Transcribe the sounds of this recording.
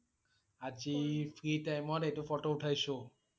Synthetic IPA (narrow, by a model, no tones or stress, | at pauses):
ad͡ʒifɾiʈajmɔɾeʈufɔʈouʈʰajso